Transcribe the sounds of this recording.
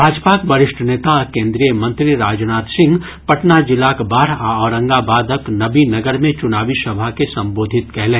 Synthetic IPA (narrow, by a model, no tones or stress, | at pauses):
bʱaːd͡ʒpakbɐɾɪʃʈʰəneːt̪akẽːnd̪ɾijəmɐ̃nt̪ɾiɾaːd͡ʒnaːt̪sɪ̃ŋɡ | pɐʈnad͡ʒɪlaːkbaːɾaɔːɾə̃ŋɡabaːd̪əknɐbinɐɡəɾmẽt͡ʃʊnaːʋisɐbʱakesɐ̃mboːd̪ʱɪt̪kɛɦlẽː